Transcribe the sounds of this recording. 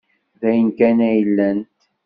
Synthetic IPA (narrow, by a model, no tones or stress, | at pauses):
ðæjənkænæjəlːænt̪